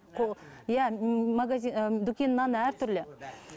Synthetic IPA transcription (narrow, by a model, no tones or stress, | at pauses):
qʰojæmaɡazid̪ukʲenːɑnəæɾt̪ʰʏɾle